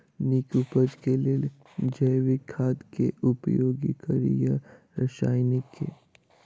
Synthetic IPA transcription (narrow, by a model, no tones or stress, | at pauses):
niːkupəd͡ʒkelel | d͡ʒəjʋɪkʰːaːd̪kḛʊpjoːɡikəɾḭja | ɾɐʃaːjnɪkʰːḛ